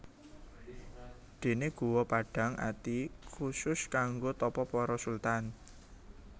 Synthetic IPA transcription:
d̪̥e̤neɡ̥ṳwɔpaɖ̥a̤ŋʔa̰t̪ikʰusʊskaŋɡot̪ɔpɔpɔɾɔsult̪an

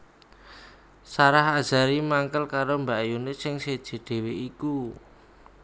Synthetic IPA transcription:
saɾaɦḁʒ̥a̤ɾimaŋkəlkaɾombajunɪsɪŋsed̥ʒ̥i̤ɖ̪̥e̤weiku

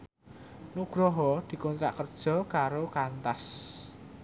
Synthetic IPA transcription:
nuɡ̥ɾɔɦɔd̪̥i̤kɔnt̪ɾa̰ʔkərd̥ʒ̥ɔ̤kaɾokant̪as

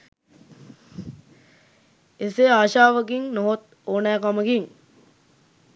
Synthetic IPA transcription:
eseaːʃaːʋəkiŋnoɦot̪̚ | oːnæːkaməɡiŋ

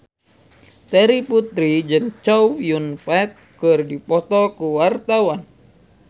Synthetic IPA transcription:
t̪ɛɾiput̪ɾid͡ʒɨŋt͡ʃɔwjunfɛt̪̚ | kɨrdipɔt̪ɔlkuwart̪awan

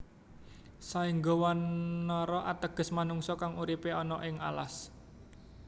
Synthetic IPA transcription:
saɪŋɡɔwanːɔɾɔʔa̰t̪əɡ̥ə̤smanuŋsɔkaŋuɾipeɔnɔʔɪŋʔa̰la̰s

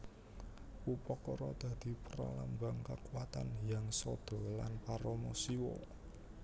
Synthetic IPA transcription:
upɔkɔɾɔd̪̥ä̤d̪̥i̤pəɾa̰lambaŋkakuwat̪anjaŋsɔd̪̥ɔ̤lanpaɾɔmɔsiwɔ

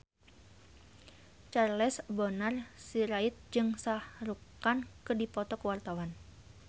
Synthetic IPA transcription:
t͡ʃarlɛsbɔnarsiɾait̪̚d͡ʒɨŋsahɾukankɨdipɔt̪ɔkəwart̪awan

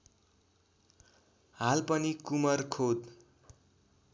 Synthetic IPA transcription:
halpʌnikumʌrkʰod̪

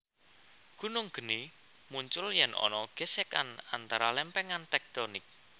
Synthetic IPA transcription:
ɡ̥ṳnʊŋɡ̥ə̤ni | muɲt͡ʃʊljɛnʔɔ̰nɔɡ̥eseka̰na̰nt̪aɾalɛmpɛŋant̪ɛk̚t̪ɔnɪk̚

